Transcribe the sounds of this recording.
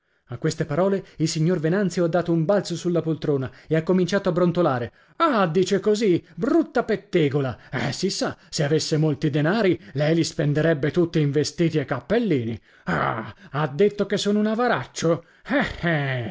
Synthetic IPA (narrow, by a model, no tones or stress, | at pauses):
akːwest̪epaɾɔːleilsiɲːorvenant̪sjoad̪ːaːt̪oumbalt̪sosulːapolt̪ɾoːnaeakːomint͡ʃaːt̪oabːɾont̪olaːɾe | ad̪iːt͡ʃekozibɾut̪ːapet̪ːeːɡolaɛ̰sisːaseavesːemolt̪id̪enaːɾilɛjlispend̪eɾɛbːet̪ut̪ːiiɱvest̪iːt̪iekːapːelːiːni | a̰ad̪ːet̪ːokesːoːnounavaɾat͡ʃːo | ɛɛ